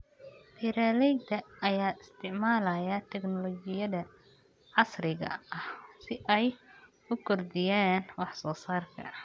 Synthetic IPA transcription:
pʰiɾalɛjd̪ʰɐɐjaːɪst̪ʰɪʕmaːlɐjɐt̪ʰɛɡnɔlɔːd͡ʒɪjɐðɐ | ʕɑsrɪɣɐ̰ɐhsɪʔɛj | ʊkʰɔrd̪ɪjaːnwɑħsɔːsaːrkʰɐ̰

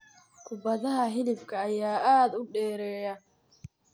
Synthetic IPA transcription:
kʰʊbɐðɐɦɐɦɪlɪfkʰɐːjaːʔaːd̪ʊɖɛːɾɛːjɐ

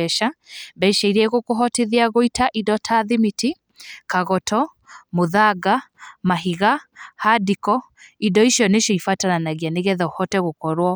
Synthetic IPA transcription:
ɛʃabɛʃaiɾɛɣokoɦɔteðeaɣoitaʔidɔtʰaðimiti | kaɣɔtʰɔ | moðaɡamaɦiɣahadikɔ | idɔiʃjɔneʃjɔifatananaɣjaneɣɛðɔhɔtɛɣokɔɾwɔ

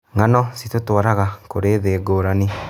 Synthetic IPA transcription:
ŋanɔsitotwaɾaɣakoɾeːðeɡoːɾane

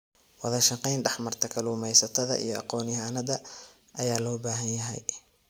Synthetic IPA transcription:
wɑðɐʃɐqɛjnɖɛħmɐrt̪ʰɐkʰɐluːmɛjsɐt̪ʰɐðɐ̰ʔḭjɞɑ̰qɔːnɪhaːnɐðɐ | ʔɐjaːlɔːbaːɦɐnjɐɦɛ̰j

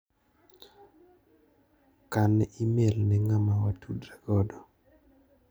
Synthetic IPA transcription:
kanɛimelnɛŋamawatʰudɾɛɡ̥ɔdɔ

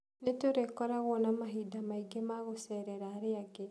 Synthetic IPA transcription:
netoɾekɔɾaɣwɔnamaɦidamaiɡemaɣosɛɾɛɾaːɾeaɡe

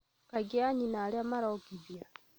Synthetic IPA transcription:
kaɡiaɲinaleamaɾɔkiβja

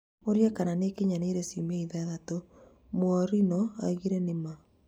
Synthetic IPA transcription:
oɾjakananekeɲaneɾɛsimaiðaðato | mwɔɾinɔa̰iɣiɾɛnema

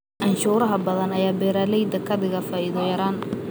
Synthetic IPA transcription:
ʔɐnʃuːɾɐɦɐbɐðɐnɐjaːbɛːɾaːlɛjd̪ɐkʰɐd̪ɪɣɐfaːʔiðɔjɐɾaːn

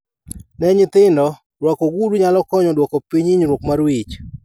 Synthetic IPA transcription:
nɛɲɪt̪ɪndɔ | ɾwakoɡuduɲalɔkɔɲɔdwɔkopiɲiɲɾwokmaɾwit͡ʃ

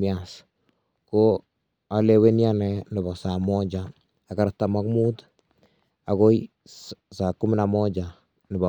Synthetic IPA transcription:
ias | ko | alewenjanɛnɪbasamɔd͡ʒaː | kaɾatːamakmut | akoj | sakːumɪnamɔd͡ʒa | nɪba

